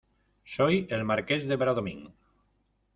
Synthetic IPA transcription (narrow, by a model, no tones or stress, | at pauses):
sojelmaɾkezðeβɾaðomḭ̃ŋ